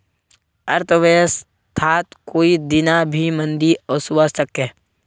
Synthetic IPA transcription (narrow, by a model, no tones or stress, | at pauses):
əɾt̪ʰəʋejəs | t̪ʰaːt̪koːid̪ɪnabʱimə̃nd̪iɔsʊʋasəkẽː